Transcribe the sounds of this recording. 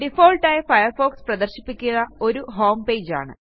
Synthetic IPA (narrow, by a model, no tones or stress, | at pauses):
ɖifoːlʈːɐjefɐjɐrfo̞ːksprɐd̪ɐrɕi̥pːikʲːunːɐo̞ɾuɦo̞ːmpe̞ːd͡ʑa̰ːɳɨ̰